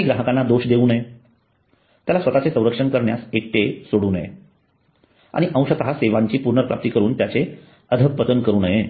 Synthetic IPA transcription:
iɡɾaɦəkãnːad̪oɕd̪euːnəɦe | t̪jalasʋət̪at͡sesə̃w̃ɾəkʂəɳkəɾɳja̰sek̚ʈesoɽuːnəjḛ | a̰ɽ̃iʔə̃w̃ɕət̪əɦaseʋaɲt͡ɕiːpuɾnəɾpɾa̰p̚t̪iːkəɾuːnt̪jat͡se | əd̪ʱək̚pət̪ənkəɾuːnəje

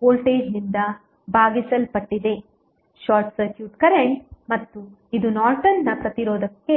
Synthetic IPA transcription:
koːlʈeːd͡ʒnind̪ɐ | bʱaːɡisɐlpɐʈːid̪e̞ | ʃaːɾʈsɐɾkjuːʈkɐɾeɳʈmɐt̪ːu | id̪unaːɾʈɐnːɐpɾɐt̪iɾɔːd̪ɐkːe̞

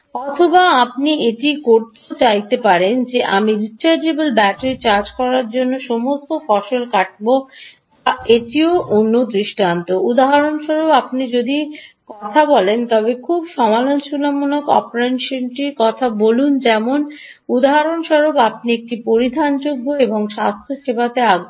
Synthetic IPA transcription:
ɔt̪ʰobaap̚nieʈikoɾt̪et͡ɕajt̪epaɾend͡ʑeʔamiɾit͡ɕaɾd͡ʑebelbɛʈet͡ɕaɾd͡ʑkɔɾaɾd͡ʑonːoʃɔmost̪ofɔʃolkaʈ̚bo | t̪aeʈioʔonːod̪ɾiʃʈant̪oud̪aɦaɾonʃɔɾobapnid͡ʑod̪ikɔt̪ʰabɔlent̪ɔβekʰubʃɔmalonʃunamonokɔ̰pɾenʃonʈiɾkɔt̪ʰabolund͡ʑɛmon | ud̪aɦaɾonʃɔɾobapniek̚ʈipoɾid̪ʱand͡ʑoɡːoeboŋʃast̪ʰoʃebat̪eaɡu

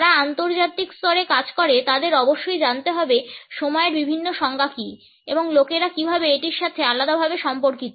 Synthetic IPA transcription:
ɾaant̪oɾd͡ʑat̪ikst̪ɔɾekad͡ʑkoɾet̪ad̪eɾɔboʃːojd͡ʑant̪eɦɔbeʃomɔeɾbibʱinːoʃɔŋɡʱaki | ḛboŋlokeɾakibʱabeeʈiɾʃat̪ʰealad̪abʱabeʃɔmpoɾkit̪o

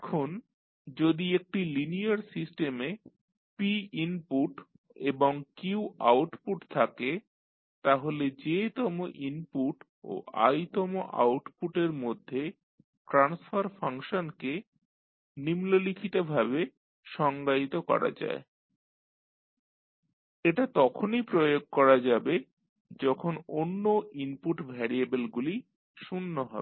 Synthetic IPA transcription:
ɛkʰon | d͡ʑod̪iek̚ʈiliniaɾsisʈeme | piimpuʈ | eboŋkiwʔawʈpuʈt̪ʰake | t̪aɦoled͡ʑet̪ɔmoʔinpuʈ | o̰ʔa̰jt̪ɔmoʔa̰wʈpuʈeɾmod̪ʱːe | ʈɾansfaɾfʰaŋʃonke | nimlolikʰit̪obʱaβe | ʃɔŋɡait̪okɔ̰ɾa̰d͡ʑa̰e | eʈat̪ɔkʰonipɾojoɡ̚kɔɾad͡ʑabe | d͡ʑɔkʰononːoimpuʈbʱɛɾiabelɡuli | ʃunːoɦɔ̰be

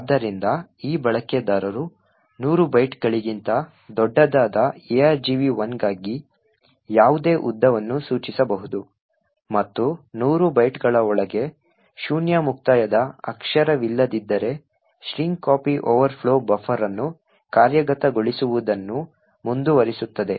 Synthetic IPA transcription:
ad̪ːɐɾind̪ɐiːbɐɭɐkːed̪aːɾɐɾu | nuːɾubɐjʈɡɐɭiɡint̪ɐ | d̪ɔɖːɐd̪aːd̪ɐeaːɾd͡ʒiʋiʋɐnɡaːɡi | jaːʋud̪e̞ːʔud̪ːɐʋɐnːusuːt͡ʃisɐbɐɦud̪u | mɐt̪ːunuːɾubɐjʈɡɐɭɐɔɭɐɡe̞ | ʃuːnjamuk̚t̪aːjɐd̪ɐɐkʂɐɾɐʋilːɐd̪id̪ːɐɾe̞ | ʃɾiŋɡkaːpiʔoːʋɐɾpʰɭo̞ːbɐfʰɐɾɐnːu | kaːɾjɐɡɐt̪ɐɡoɭisuʋud̪ɐnːu | mund̪uʋɐɾisut̪ːɐd̪e̞

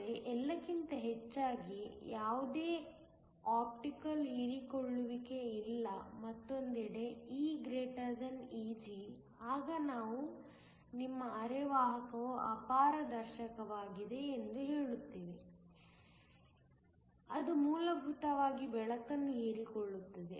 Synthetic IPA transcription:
eʔɛlːɐkint̪ɐɦet͡ʃːaːɡijaːʋud̪e̞ː | aːp̚ʈikɐliːɾikoɭːuʋike̞ilːɐmɐt̪ːond̪iɽe̞iːɡɾeːʈɐɾzɐniːd͡ʒi | aːɡɐnaːʋu | nimːɐːɾeʋaːɦɐkɐʋuʔɐ̰paːɾɐd̪ɐɾʃɐkɐʋaːɡid̪e̞ːnd̪uɦeːɭut̪ːiːʋi | ɐd̪umuːlɐbʱut̪ɐʋaːɡibɛɭɐkɐnːuiːɾikoɭːut̪ːɐd̪e̞̰

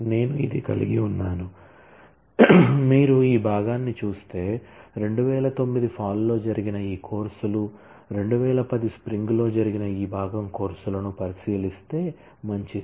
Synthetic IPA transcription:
ne̞ːnuid̪ikɐ̰lḭɡiunːaːnu | miːɾuiːbʱaːɡaːnːit͡ʃuːst̪e̞ːɾe̞ɳɖuʋɛːlɐt̪o̞mːid̪ipʰaːlːo̞ːd͡ʒɐɾiɡinɐiːkʰoːɾsulu | ɾe̞ɳɖuʋɛːlɐpɐd̪ispɾiŋɡlo̞ːd͡ʒɐɾiɡinɐiːbʱaːɡɐmko̞ːɾsulɐnupɐɾisiːlist̪e̞ː | mɐɲt͡ʃi

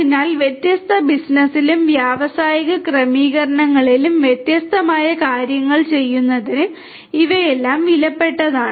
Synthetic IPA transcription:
inaːlʋjet̪jɐst̪ʰɐbisnɐsilumʋjaːʋɐsaːjiɣɐkrɐmiːɣɐɾɐɳɐŋːɐɭilumʋjet̪jɐst̪ʰɐmaːjɐkaːɾjɐŋːɐɭt͡ɕe̞jːunːɐðinɨ | iʋɐjelːaːmʋilɐpːe̞ʈːɐðaːɳɨ

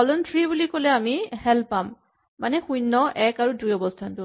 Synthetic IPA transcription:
ɔlɔntɹibulikolɛamihɛlpamː | anɛxujnːɔʔɛkaɹudujɔbɔstʰantʊ

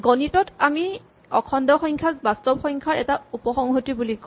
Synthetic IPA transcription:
ɡɔnitɔtami | ɔ̰kʰɔndɔxɔŋkʰazbastɔbxɔŋkʰaɹɛ̰taupɔxɔŋɦotibulik

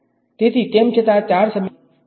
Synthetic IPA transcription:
t̪et̪ʰit̪emt͡ʃʰət̪at͡ʃaɾsəm

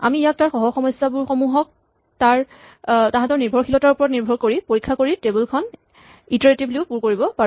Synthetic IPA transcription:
a̰miːjak̚taɹxɔɦɔxɔmɔjsabuɹxɔmuɦɔk̚ | taɹ | tãɦãtɔɹniɹbʱɔɹxilɔtaɹupɔɹɔt̚niɹbʱɔɹkoɹipoɹikʰːakoɹitebulkʰɔn | itaɹetibluʊpuɹkoɹibɔpa

